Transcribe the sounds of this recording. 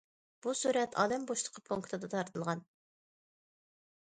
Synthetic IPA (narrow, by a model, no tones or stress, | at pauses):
b̥usuɾɛt̪ʰɑ̰ːd̪ɛmboʃlˠə̥qʰəpʰuŋkt̪ʰɨd̪ɑt̪ʰɑɾt̪ʰɨlˠʁɑn